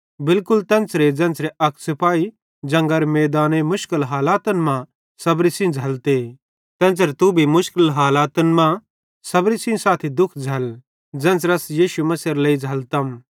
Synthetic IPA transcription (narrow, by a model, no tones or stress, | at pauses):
bɪlkʊlt̪ɐ̃nt͡sɾed͡zɐ̃nt͡sɾeʔɐkʰsɪpaːi | d͡ʒɐ̃ŋɡəɾmɛːd̪aːnemʊʃkɪlɦaːlaːt̪ɐnmã | sɐbɾisĩd͡zʱɐlt̪e | t̪ɐ̃nt͡sɾt̪ubʱimʊʃkɪlɦaːlaːt̪ənmã | sɐbɾisĩsaːt̪ʰid̪ʊkʰd͡zʱɐl | d͡zɐ̃nt͡sɾɐsjiːʃumɐsiɾleid͡zʱɐlt̪ɐm